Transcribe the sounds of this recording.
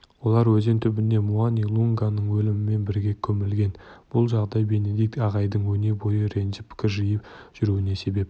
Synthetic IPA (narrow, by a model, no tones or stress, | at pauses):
wo̞lˠɑɾwɵzent̪ʰʏbɪne̞muanilˠuŋɡanəɴwɵlɪmɪme̞nbɪɾɡʲe̞kʲʰɵmɪlɡʲe̞nb̥ʊlˠʒɑʁd̪ɑjbe̞ne̞d̪ijk̚t̪ɑʁɑjd̪əɴwɵne̞ɾbo̞jəɾe̞nʒɪpʰɪ̥kʲɪɾʒijəpʒ̥ʏɾuwɪne̞se̞be̞p